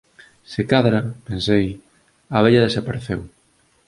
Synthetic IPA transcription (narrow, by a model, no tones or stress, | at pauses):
sekaðɾɐpensej | ɐβeʎɐðesapaɾeθḛw